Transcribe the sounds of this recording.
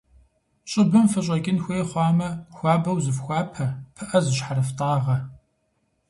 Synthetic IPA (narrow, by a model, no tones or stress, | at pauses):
ɕʼɪbɨmfɐɕʼɐɡʲɪnxʷeːjχʷɑːmɐxʷɑːbɐwzɨfxʷɑːpʰɐpʰɨʔɐzɨɕħaɾɐftʼɑːʁɐ